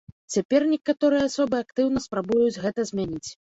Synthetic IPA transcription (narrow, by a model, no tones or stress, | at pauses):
t͡sʲapʲɛrnʲɛkat̪ɔɾɨjɛasɔbɨakt̪ɨwnɐspɾabujud͡zʲɣɛt̪ɐzʲmʲanʲit͡sʲ